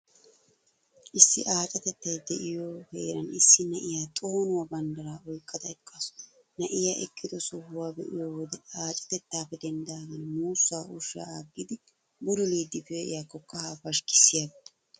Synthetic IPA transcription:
ʔɪsːɪʔaːt͡ʃʼɐt̪ɛt̪ːɐjd̪ɛʔɪjoːheːɾɐnɪsːɪnɐʔɪjaːt̪ʼo̞ːnʊwɐbɐnd̪ɐɾaːɔjkʼːɐd̪ɐɛkʼːɐs | nɐʔɪjaːʔɛkʼːɪd̪ɔsʊhʊwaːbɛʔɪjoːwɔd̪ɛaːt͡ʃʼɐ̥t̪ɛt̪ːaːfɛd̪ɛnd̪aːɡɐnmuːsːaːʊʃːa̰ːaɡːɪd̪ɪ | bʊɾʊliːd̪ːɪbeʔɪ̰jaːkɔkʼːɐhaːfɐʃkɪ̥sːɪjaɡɪ

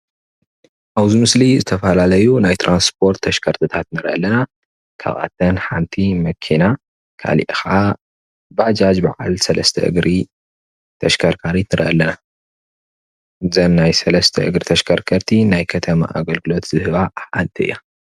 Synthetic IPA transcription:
ʔaβzimɨslizɨt̪ʰɐfɐlalɐjunajt̪ʰɾʔanspʰo̞ɾt̪ʰːɐʃkʰɐɾt̪ʰɨt̪ʰat̪nɨɾʔɐ̰lɐna | kʰa̰βʔa̰t̪ʰɐnħant̪ʰimɐkʰina | kʰa̰lḭʔxa | bad͡ʒad͡ʒbaʕa̰lsɐlɐ̰st̪ʰɐ̰ʔɨ̰ɡɾʔi | t̪ʰɐʃkʰɐɾkʰaɾit̪ɨɾɨʔɐlɐna | zɐnːajsɐlɐst̪ʰɐʔɨɡɾit̪ʰɐʃkʰɐɾkʰɐɾt̪ʰinajkʰɐt̪ʰɐma̰ʔa̰ɡɐlɡɨlo̞t̪z̥ɨhɨβaħant̪ʰɨɨ̰ja

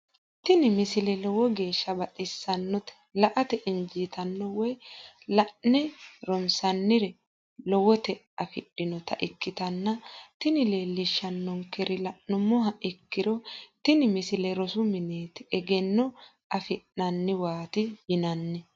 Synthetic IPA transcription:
t̪ɪnɪmɪsɪlɛlɔwɔɡe̞ːʃːɐbɐt̪ʼɪsːɐnːɔt̪ɛ̥lɐʔɐt̪ɛʔɪnd͡ʒiːt̪ɐnːɔwɔj | lɐʔnɛɾɔnsɐnːɪɾɛ | lɔwɔt̪ɛ | ɐfɪɗːɪnɔt̪ɐʔɪkːɪt̪ɐnːɐt̪ɪnɪle̞ːlːɪʃːɐnːɔŋkɛɾɪlɐʔnʊmːɔɦɐʔɪkːɪɾɔt̪ɪnɪmɪsɪlɛɾɔsʊmɪneːt̪ɛɛɡɛnːɔ | ɐfɪʔnɐnːɪwaːt̪ɪjɪnɐnːɛ

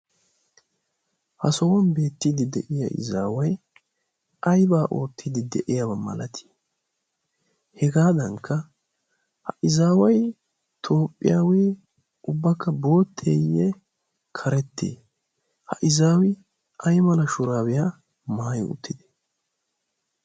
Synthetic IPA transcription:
hɐsɔwɔnbe̞ːt̪ːiːd̪ɪd̪ɛ̰ʔɪja̰ʔɪ̰zaːwɐj | ɐjbaːʔo̞ːt̪ʰːiːd̪ɪd̪ɛʔɪjabɐmɐ̰lɐt̪ʰi̥ | hɛɡaːd̪ɐŋkʰːɐ | hɐʔɪzaːwɐj | t̪ʰo̞ːpʼːɪ̰jaːweː | ʊbːɐkːɐbo̞ːt̪ʰːḛːjːɛ | kʰɐɾɛt̪ʰːḛː | hɐ̰ʔɪzaːwɪ | ʔɐjmɐlɐʃʊɾaːwɪja | maːjɪʊ̰t̪ʰːɪd̪ɛ̥

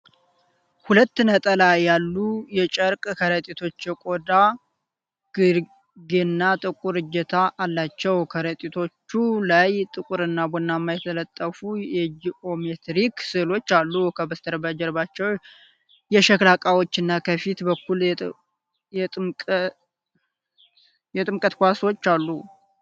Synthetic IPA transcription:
hulət̪ːnət̪ʼəlajalːujɛt͡ʃʼəɾkʼkʰəɾət̪ʼit̪ʰo̞t͡ʃːjɛkʼo̞d̪a | ɡ̥ɨɾ | ɡenːat̪ʼɨkʼuɾɨd͡ʒɛt̪ʰaʔːlːat͡ʃːɛwkʰəɾət̪ʼit̪ʰo̞t͡ʃːulajt̪ʼɨkʼuɾɨnːabonːamːajɛt̪ʰələt̪ʼːəfujɛd͡ʒiʔo̞met̪ɾiksɨlo̞t͡ʃːalːukʰəbəst̪ʰəɾbəd͡ʒɛɾbat͡ʃːɛw | jɛʃəklakʼawot͡ʃːɨnːakʰəfit̪bəkʰːul | jɛt̪ʼmʼ | jɛt̪ʼɨmkʼət̪kʷaswo̞t͡ʃːalːu

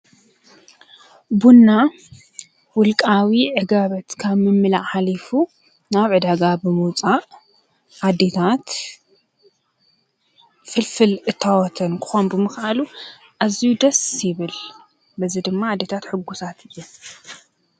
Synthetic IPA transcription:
bunːa | wʊlkʼawiʕɨɡaβɐt̪kʰaβmɨmːɨlaʕalifu | naβʕɨd̪aɡabɨmut͡sʼaʔ | ʔad̪et̪ʰat̪ | fɨlfɨlʔɨt̪ʰːawɔt̪ʰɐnkʰɨ̥xombɨmɨxalu | ʔazijud̪ɐsjɪβɨl | bɐzid̪ɨmːaad̪et̪ʰat̪ħɨɡːusat̪ʰɨjːu

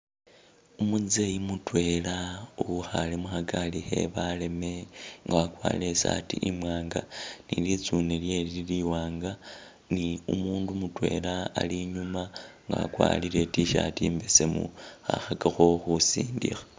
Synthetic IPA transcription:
umuzejimutwe̞lauuxalemuxaɡalixe̞̰βale̞me̞ŋɡaβakwa̰ːlesatḭʔimwaːŋɡanḭlit͡suneljeliiliwaːŋɡa | niumuːndumutwe̞̰laa̰liɲumaŋɡa̰βa̰kwa̰ːlile̞tiʃa̰tiːmbesemṵaxaɡaxoxusiːndḭxa

